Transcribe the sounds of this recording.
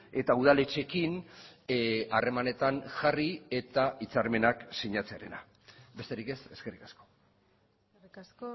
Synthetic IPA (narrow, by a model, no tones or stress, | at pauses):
e̞t̪auð̞ale̞t͡ʃe̞kin | are̞mane̞t̪anʝarie̞t̪ait͡saɾme̞naksiɲat͡seaɾe̞na̰ | be̞st̪e̞ɾike̞se̞ske̞rikḁsko̞̥